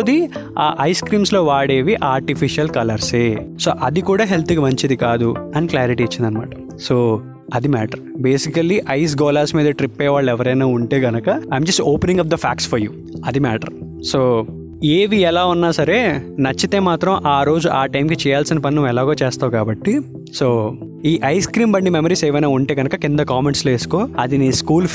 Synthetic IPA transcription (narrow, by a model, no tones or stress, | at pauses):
d̪iaːʔɐjskɾiːmslo̞ːʋaːɽe̞ːʋiʔaːɾʈipʰiʃijɐlkɐlɐɾseːso̰ːʔɐd̪ikuːɽaːɦelt̪iɡɐmɐɲt͡ʃid̪ikaːd̪uɐniklaːɾiʈiːt͡ʃːind̪ɐnːɐma̰ːʈɐ̥ | soː | ɐd̪imɛːʈɐɾbe̞ːsikɐlːiʔɐjs̬ɡɔːlaːsmiːd̪ɐʈɾipːɛːʋaːɭːɛʋɐɾɐjnaːuɳʈe̞ːɡɐnɐkɐajmd͡ʒɐsʈoːpenĩŋɡɐfd̪ɐpʰaːksfʰɐɾjuː | ɐd̪imɛːʈɐ̰ɾ | soː | eːʋiɛlaːunːaːsɐɾe̞ːnɐt͡ʃːit̪eːmaːt̪ɾɐmʔaːɾo̞ːd͡ʒuʔaːʈɐjmkit͡ʃɛːjaːlsinipɐninuʋːɛlaːɡoːt͡ʃeːst̪aːukaːbɐʈːi | soː | iːʔɐjskɾiːmbɐɳɖimemɐɾiːseːʋɐjnaːuɳʈe̞ːɡɐnɐkɐkind̪ɐkaːmeɳʈsle̞ːsu̥ko̞ːɐd̪iniːskuːl